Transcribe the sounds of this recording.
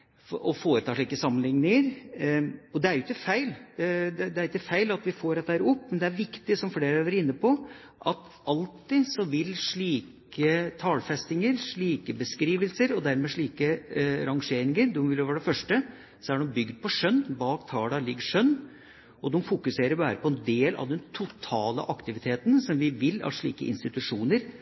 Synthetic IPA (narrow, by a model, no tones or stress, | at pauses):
ɔfoːɾət̪ʰɑːʂɭiːkəsɑmːənlɪŋnɪŋəɾ | ɔd̪ɛæɾjʊɪkːəfæɪld̪ɛd̪ɛæɾɪkːəfæɪlɑt̪ʋɪfoːɾɛt̪ːæːɾʊpːmɛnd̪ɛæɾʋɪkt̪ɪsɔmfleːɾəʋæɾɪnːəpʰɔ | ʔɑt̪ | ɑlt̪ɪsɔʋɪlʂɭiːk | ət̪ʰɑːlfɛst̪ɪŋəɾʂɭiːkəbəskɾiːʋəlsəɾɔd̪æɾmeːʂɭiːkəɾɑŋʂeːɾɪŋəɾd̪ɔmʋɪlʋæːɖɛfœʂʈə | sɔæɖɛmbʏɡd̪̚pʰɔʂœnːbɑːkt̪ʰɑːlɑlɪɡːəʂœnː | ʔɔd̪ɛmfʊkʉseːɾəɾbæ̰ːɾəpʰɔɛnd̪eːlɑ̰ʋd̪ɛnt̪ʰʊt̪ʰɑːlə̰ʔɑkt̪ɪʋɪt̪ʰeːt̪ənsɔmʋɪʋɪlːɑ̰ʂɭḭːkə̰ʔɪ̰nst̪ɪt̪ʉʂuːnəɾ